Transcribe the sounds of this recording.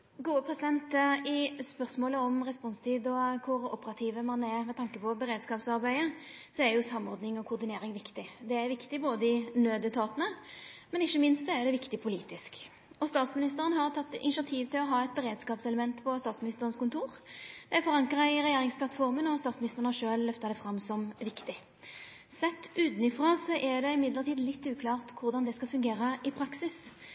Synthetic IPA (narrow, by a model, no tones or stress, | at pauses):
ɡuːəpʰʁɛsɪd̪ɛnt̪ɪspœʁsmoːləɔmʁɛspɔnst̪ʰiːd̪ɔkʰʊʁɔ̰pəɾɑt̪ʰiːʋəmɑʁnemɛt̪ʰɑŋkəpʰɔbəɾeːd̪skɑːpsɑɾbæɪəsɔæɾjʊsɑmːɔʁd̪nɪŋɔkʰʊʁd̪ɪneːɾɪŋʋɪkt̪ɪd̪ɛæɾʋɪkt̪ɪboːd̪əɪnøːd̪ət̪ʰɑːt̪ənəmɛnɪçːəmɪnst̪sɔæd̪ɛʋɪkt̪ɪpʰʊlḭːt̪ɪsk | ɔst̪ɑːt̪smɪnɪst̪əʁənɦɑʁt̪ʰɑt̪ːɪ̰nɪʃɪɑt̪ʰiːʋt̪ɪlɔɦɑːɛt̪̚bɛɾeːd̪skɑːpsɛləmɛnt̪pʰɔst̪ɑːt̪smɪnɪst̪əʁənskʊnt̪ʰuːʁd̪̥ɛæfɔʁɑŋkʁɑɪɾɛjeːɾɪŋsplɑt̪fɔʁmənɔst̪ɑːt̪smɪnɪst̪əʁənhɑʂøːllœft̪ɑd̪ɛfʁɑmːsɔmʋɪkt̪ɪ | sɛt̪ːʉːt̪nɪfʁɑːsəʔæd̪ɛɪmɪd̪ləʁt̪ʰiːd̪lɪt̪ːʉːkʰlɑːʁt̪kʰʊʁd̪ɑnd̪ɛskɑfʉŋɡeːɾəʔɪpʰɾɑksɪs